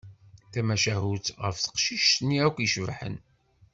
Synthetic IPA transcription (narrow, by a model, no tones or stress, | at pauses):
θæmæʃæɦuθʁəfθə̥qʃiʃt̪nːiækʷːiʃvħə̰n